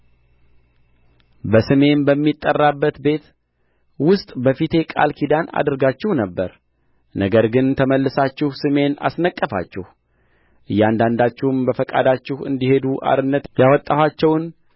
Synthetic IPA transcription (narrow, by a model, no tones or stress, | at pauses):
bəsɨme̞nbəmːit̪ʼːərːabːət̪be̞t̪ | wʊst̪ʼbəfit̪ʰe̞kʼa̰lkʰid̪ana̰d̪ɨɾɡat͡ʃːɪhnəbːə̰ɾ | nəɡəɾɡɨnt̪ʰəməlːɨsat͡ʃːɪhsɨme̞na̰snəkʼːəfa̰t͡ʃːɪh | ʔɨjːand̪and̪at͡ʃːɪhmbəfəkʼa̰d̪at͡ʃːɪhɨ̰nd̪ihe̞d̪uʔa̰ɾɨnːət̪jawɔt̪ʼːahat͡ʃːɛwn